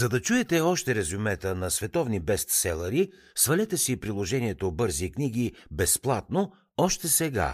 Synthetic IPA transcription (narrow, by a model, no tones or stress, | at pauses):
zɐd̪ɐt͡ʃuɛt̪ɛɔʃt̪ɛɾɛzumɛt̪ənɐsvɛt̪ɔvnibɛst̪sɛlˠɐɾi | svɐlɛt̪ɛsipɾilˠoʒɛniɛt̪obɤɾzikniɡ̟ibɛsplˠat̪no | ɔʃt̪ɛsɛɡa̰